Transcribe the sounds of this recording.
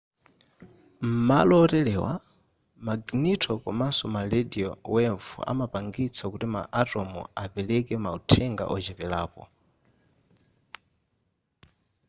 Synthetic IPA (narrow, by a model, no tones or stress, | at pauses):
m̩malɔːtɛlɛwa̰ | maɡnitʰɔkɔmasɔmalɛdiɔwɛɱfṵa̰mapaŋɡit͡sʰakutima̰ʔatɔmṵapɛlɛkɛmautʰɛŋɡa̰ʔɔd͡ʒɛpɛlaːpɔ̰